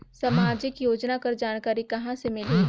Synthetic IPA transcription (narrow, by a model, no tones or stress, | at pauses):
sɐmaːd͡ʒɪkjoːd͡ʒnakɐɾd͡ʒaːnkaːɾikɐɦãsemɪli